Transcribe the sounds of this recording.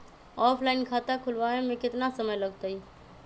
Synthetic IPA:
ɔpʰlainkʰat̪akʰulʋaemekɪt̪nasəməjləɡt̪əj

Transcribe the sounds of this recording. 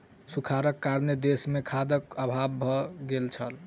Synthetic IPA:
sukʰaɾəkːaɾned̪esmekʰad̪əkəbʱabːʱɔɡelt͡ʃʰə̰l

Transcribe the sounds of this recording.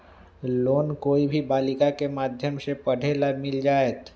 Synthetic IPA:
loːnkoːibʱibaːlɪkakemaːd̪ʱjəmsepəɽ̤ʱelamɪld͡ʒaːet̪

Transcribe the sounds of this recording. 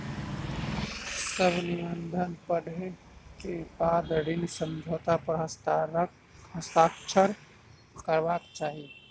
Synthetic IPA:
səbʱnɪʋənd̪ʱənpəɽʱẽ | kebaːd̪ɽɪnsə̃md͡ʒʱoːt̪apəɾɦəst̪ | ɦɐst̪aːkt͡ʃʰəɾ | kəɾʋaːkt͡ʃaːɦie

